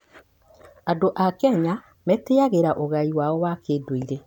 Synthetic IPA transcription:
adoʔakɛɲa | mɛteaɣeɾaʔoɣaiwaɔwakeːdwoiɾe

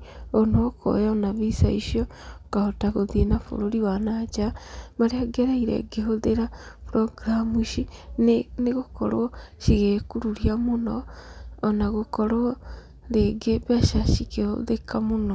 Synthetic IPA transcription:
onoko̰jaonaβisa̰iʃjɔkaotaɣoðienafo̰ɾoɾiwanat͡ʃamaɾeaɡɛɾaiɾḛɡeɦoðeɾapɾoɡɾamuʃinneɣokɔ̰ɾɔʃiɣekuɾuɾiamonɔː | naɣokɔɾɔ | ɾeɡeβaʃaʃikeho̰ðekamonɔ

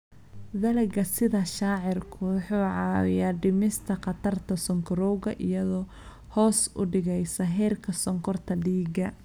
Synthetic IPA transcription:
ðɐlɛɡɐsɪðɐʃaːʕɪrkʰʊwħuːʕɑwɪ̰jaːɖɪmɪst̪ʰɐqɑt̪ʰɐrt̪ʰɐsɔŋkʰɔɾɔwɣɐʔijɐðɔː | hɔːsʊ̰ɖɪɣɛjsɐɦɛːrkʰɐsɔŋkʰɔrt̪ʰɐɖiːɡɐ

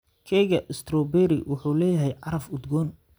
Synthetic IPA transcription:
kʰɛːɣɐʔɪst̪ɾɔbɛːɾɪwʊħuːlɛːjɐɦɛjʕɑɾɐfʊd̪ɡɔːn

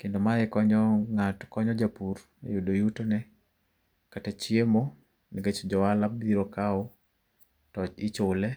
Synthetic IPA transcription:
kendomaɛkɔɲɔŋatkɔɲɔd͡ʒapur | ejudojutonɛ | katat͡ʃjiemo | nɛɡet͡ʃod͡ʒɔwalabiɾokaʊ | tɔt͡ʃɪt͡ʃolɛ

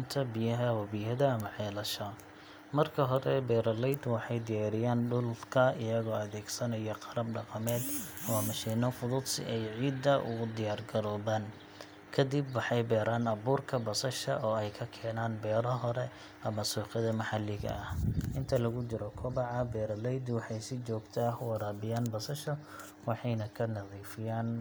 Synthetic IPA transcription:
nt̪ʰɐbijɐɦɐwɐβijɐðɐɐmɐʕɛːlɐʃɔ | mɐrkʰɐɦɔɾɛbɛːɾɐlɛjd̪wɑħɑjd̪ɪjaːɾɪjaːnɖʊlkʰɐɪjɐɣɔːɐðɛːɡsɐnɐjɐqɑɾɐbɖɑqɑmɛːd̪ɐmɐmɐʃiːnɔfʊðʊd̪sɪ̰ʔɛjʕiːd̪ːɐʔʊ̰ɣʊd̪ɪjaːrɡɐɾɔːβaːn | kʰɐd̪ibwɑħɑjbɛːɾaːnɐβuːrkʰɐbɐsɐʃɐʔɔːɛjkʰɐkʰɛːnaːnbɛːɾɔɦɔɾɛ | ɐmɐsuːqɪðɐmɐħɑlːɪɣɐ̰ʔɐhʔɪnt̪ʰɐlɐɣʊt͡ʃɪɾɔkʰɔbɑʕɐbɛːɾɐlɛjd̪wɑħɑjsɪt͡ʃɔːɡt̪ʰaːhwɑɾaːbɪjaːnbɐsɐʃɔ | wɑħɑjnɐkʰɐnɐðiːfɪjaːn

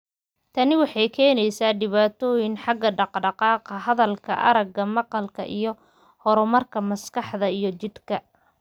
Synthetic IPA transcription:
t̪ʰɐnɪwɑħɑjkʰɛːnɛjsaːɖɪβaːt̪ʰɔːjɪnħɑɡɐɖɑqɖɑqɑːqɐɦɐðɐlkʰɐ̰ʔɐ̰ɾɐɡɐmɑqɑlkʰɐ̰ʔijɞ | hɔɾɔmɐrkʰɐmɐskɑħðɐijɞt͡ʃɪd̪kʰɐ

